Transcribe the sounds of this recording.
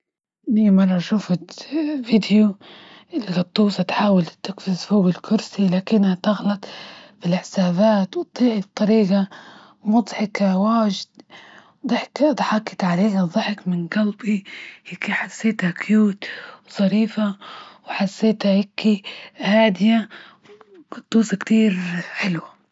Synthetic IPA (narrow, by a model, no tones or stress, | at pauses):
nijmɑrˤːɑʃuːfɪt̪vid̪ju | ɪlːɑt̪ˤːuːsat̪ħaːwalt̪ɪkfɪzfuːbɪlkʰʊɾsilaːkɪnːhat̪aɣlɑt̪ˤfilħɪsaːβaːt̪wt̪ˤːiːʕib̚t̪ˤːɑɾiːɡa | mʊd̪ˤħɪkawaːʒɪd̪ | d̪ħkd̪ħɑkːɪt̪ʕaleːhaðˤɑħɪkmɪnɡalbihɪkiħasːeːt̪hakjuːt̪wsˤɑɾiːfawħasːeːt̪hahɪkihaːd̪ɪja | t̪ˤːuːsɑkt̪iːɾħɪlwa